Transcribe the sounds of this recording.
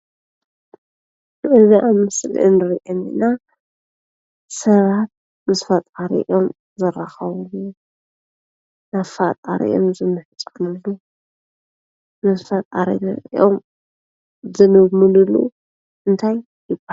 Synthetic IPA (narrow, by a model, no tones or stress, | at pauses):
ʔɨziʔamɨsl̰ʔɨ̰nɨɾiʔenɨ̰na | sɐβat̪̚ | mɨsfɐt̪ʼaɾḭʔo̞m | zɐraxɐβɨlu | naβfat̪ʼa̰ɾḭʔo̰mzɨnːɨħɨt͡sʼunɨlːu | mɨsfɐt̪ʼaɾḭnɨ̰ɾʔom | zɨnɨmɨlulːṵ | ʔɨnt̪ʰajːɪba